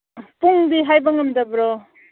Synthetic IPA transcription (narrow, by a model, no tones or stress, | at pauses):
puŋdiɦajbɐŋɐmdɐbɾɔ